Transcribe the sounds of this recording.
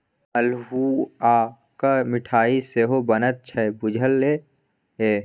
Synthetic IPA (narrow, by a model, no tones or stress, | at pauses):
əlɦua | kəmɪʈʰaːiseɦobənət̪̚t͡ʃʰɐbʊd͡ʒʱəlːe | ɦe